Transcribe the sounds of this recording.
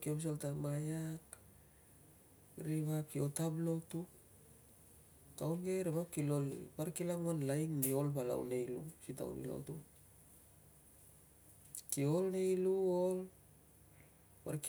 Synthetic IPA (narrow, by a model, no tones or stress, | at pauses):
kiobs̬oltamajak | ɾiβakiotablo̞tu | tawnɡeɾeβakilo̞lpaɾkilamonlajŋnio̞lpala̰w̰ne̞jlṵsita̰w̰nḭlo̰tu | kio̞lnejluol | paɾk